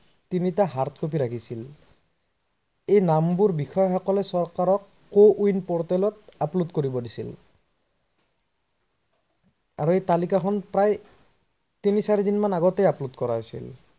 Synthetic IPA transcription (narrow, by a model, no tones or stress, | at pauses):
tinitaɦaɹt̪ʰkʰop̬iɹakʰisil | ejnambuɹbixʰɔjɔxɔkɔlɛsɔɹkaɹɔkːoʔujnpɔɹtɛlɔtaplutkoɹibɔdisḭl | aɹuejtalikaxʰɔnpɹaj | tinisaɹidinmanaɡɔtejaplutkɔɹaɦojsḭl